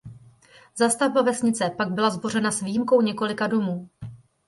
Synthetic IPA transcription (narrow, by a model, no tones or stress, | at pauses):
zast̪avbavɛsɲɪt͡sɛpaɡ̚bɪlazbo̞r̝ɛnasvijimko̞wɲɛko̞lɪkado̞muː